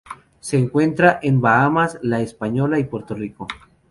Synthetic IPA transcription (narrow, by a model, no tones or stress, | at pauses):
se̞ːŋkwe̞nt̪ɾaʔembaamaslaespaɲo̞laipwe̞ɾt̪oriko